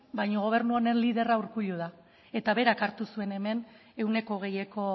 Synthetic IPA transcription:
bajɲoɣ̞o̞β̞e̞ɾnuone̞nliðe̞rauɾkuʎuð̞a | e̞t̪aβe̞ɾakaɾt̪usue̞ne̞me̞n | e̞wne̞ko̞ɣ̞e̞je̞ko̞

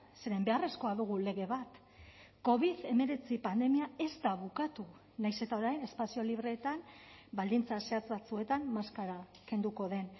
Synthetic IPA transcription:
se̞ɾe̞mbe̞are̞sko̞aðuɣ̞ule̞ɣ̞e̞β̞at̪ | ko̞βiðe̞me̞ɾe̞t͡sipand̪e̞miae̞zt̪aβukat̪u | najse̞t̪ao̞ɾajne̞spasio̞liβ̞ɾe̞ːt̪ambald̪int͡sase̞at͡sβat͡sue̞t̪ammaskaɾa | ke̞nd̪uko̞ð̞e̞n

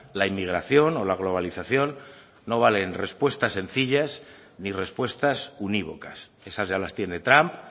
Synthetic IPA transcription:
laimːiɣ̞ɾaθjo̞no̞laɣ̞lo̞β̞aliθaθjo̞nː | o̞β̞ale̞nre̞spwe̞st̪ase̞nθiʎas | nire̞spwe̞st̪asuniβo̞̰kas | e̞sazʝalast̪je̞ne̞t̪ɾamp

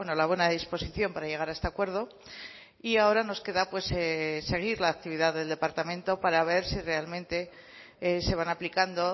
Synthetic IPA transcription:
eno̞laβwe̞naeðispo̞siθjo̞mpaɾaʝe̞ɣ̞aɾaest̪akwe̞ɾð̞o̞ | iao̞ɾano̞ske̞ðapwe̞sese̞ɣ̞iɾlaːk̚t̪iβiðaððe̞ld̪e̞paɾt̪amẽ̞nt̪o̞paɾaβ̞e̞ɾsire̞almẽ̞nt̪e̞ | ese̞β̞anaplikand̪o̞

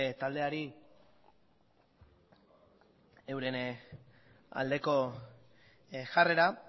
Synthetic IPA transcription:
t̪ald̪e̞aɾi | ewɾe̞n | a̰ld̪e̞ko̞ | ʝare̞ɾa

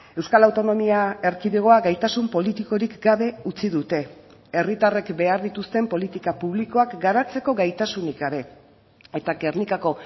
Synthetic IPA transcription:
e̞wskalawt̪o̞no̞miae̞ɾkiðeɣ̞o̞aɣajt̪asumpo̞lit̪iko̞ɾikɡaβe̞ut͡siðut̪e̞ | erit̪are̞kbe̞aɾðit̪ust̪e̞mpo̞lit̪ikapuβ̞liko̞akɡaɾat͡se̞ko̞ɣajt̪asunikaɾe̞ | e̞t̪akeɾnikako̞

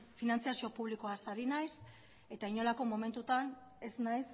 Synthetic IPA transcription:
finant͡siasio̞puβliko̞asaɾinajs | e̞t̪aiɲo̞lako̞mo̞me̞nt̪ut̪an | e̞znajs

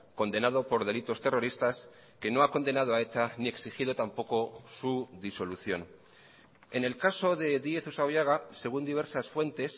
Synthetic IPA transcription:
ko̞nd̪e̞naðo̞po̞ɾðe̞lit̪o̞st̪e̞ro̞ɾist̪as | ke̞no̞ako̞nd̪e̞nað̞oae̞t̪anieksixiðo̞t̪ampo̞ko̞suðiso̞luθjo̞̰n | e̞ne̞lkaso̞ðe̞ðie̞θusawβjaɣ̞ase̞ɣ̞und̪iβ̞e̞ɾsasfwe̞nt̪e̞s

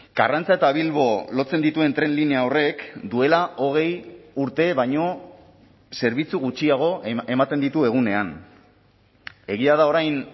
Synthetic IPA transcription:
ɡ̥a̰rant͡sae̞t̪aβilβo̞lo̞t͡se̞nd̪it̪ue̞nt̪ɾe̞nlineaore̞kd̪ue̞laʔo̞ɣ̞e̞juɾt̪e̞βajɲo̞ | se̞ɾβit͡suɣut͡ʃiaɣ̞o̞ʔe̞mat̪e̞nd̪it̪ue̞ɣ̞une̞an | e̞ɣ̞iað̞ao̞ɾajn

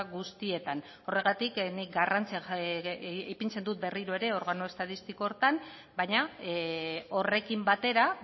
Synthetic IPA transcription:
ɣust̪ie̞t̪an | o̞re̞ɣat̪iknik̚ɡarant͡sia | ejpint͡se̞nd̪ut̪̚be̞riɾoe̞ɾe̞o̞ɾɣanoe̞st̪aðist̪iko̞ːɾt̪an | bajɲa | o̞re̞kimbat̪e̞ɾa

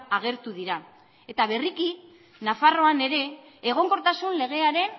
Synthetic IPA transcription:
aɣ̞e̞ɾt̪uðiɾa | e̞t̪aβe̞riki | nafaro̞ane̞ɾe̞ː | ɣ̞o̞ŋko̞ɾt̪asunle̞ɣ̞e̞aɾe̞n

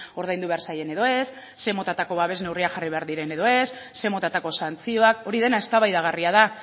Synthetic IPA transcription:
o̞ɾðajnd̪uβe̞aɾsaje̞ne̞ðo̞e̞sː | e̞mo̞t̪at̪ako̞βaβe̞zne̞wriaxariβe̞aɾðiɾe̞ne̞ðo̞e̞sːe̞mo̞t̪at̪ako̞sant͡sio̞ako̞ɾiðe̞nae̞st̪aβajðaɣ̞ariað̞a

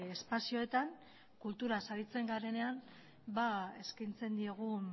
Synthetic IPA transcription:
espasio̞e̞t̪aŋ | kult̪uɾasaɾit͡se̞ŋɡaɾe̞ne̞an | bae̞skajnt͡se̞nd̪ie̞ɣ̞un

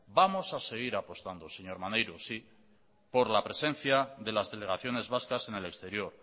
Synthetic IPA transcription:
bamo̞sase̞ɣ̞iɾapo̞st̪and̪o̞se̞ɲo̞ɾmanejɾosi | po̞ɾlapɾe̞sẽ̞n̟θjaðe̞lazðe̞le̞ɣ̞aθjo̞ne̞zβaskase̞nele̞kst̪e̞ɾjo̞ɾ

